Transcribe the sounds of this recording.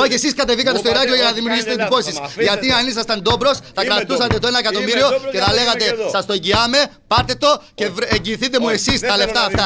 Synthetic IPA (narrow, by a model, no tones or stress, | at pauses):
ocesiskɐt̪e̞vikɐt̪esto̞iɾɐcio̞ʝɐnɐðimiuɾʝiset̪ed̪ipo̞sisʝɐt̪iɐnis̬ɐst̪ɐnd̪o̞bɾo̞st̪ɐkɾɐt̪usɐt̪e̞t̪oenɐekɐt̪o̞miɾio̞ceθɐle̞ɣɐt̪e̞sɐst̪o̞eɲɟiɐme̞pɐɾt̪e̞t̪o̞ce̞eɲɟiːθit̪e̞mue̞sist̪ɐle̞ft̪ɐːft̪ɐ